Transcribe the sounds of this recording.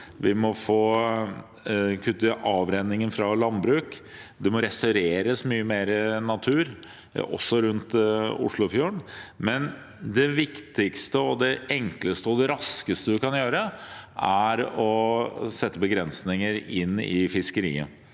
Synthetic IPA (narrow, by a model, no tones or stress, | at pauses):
ʋɪmɔfoː | kʰʉt̪ːəʔɑːʋɾɛnːɪŋənfɾɑlɑnbɾʉːkd̪ɛmɔɾɛst̪ɑʉɾeːɾəsmyːəmeːɾənɑt̪ʰʉːɾ | ɔ̰sːɔɾʉnt̪ʊ̰ʂɭʊfjuːɳmɛn | d̪ɛʋɪkt̪ɪkst̪əɔd̪ɛɛŋkləst̪əɔd̪ɛɾɑskəst̪əd̪ɪkɑnjøːɾəʔæɾɔsɛt̪ːəbəɡɾɛnsnɪŋəɾɪ̰nːɪfɪskəɾḭːə̰